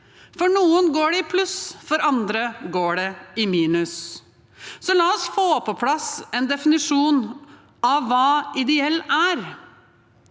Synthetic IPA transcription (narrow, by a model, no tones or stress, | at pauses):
fɔɳuːənɡoːɖɛɪpʰlʉsfɔɾɑnd̪ɾəɡoːɖɛɪmiːnʉs | sɔlɑːɔsfoːpʰɔpʰlɑsɛnd̪ɛfɪnɪʂuːn | ɑːɑːɪd̪ɛɛlːæɾ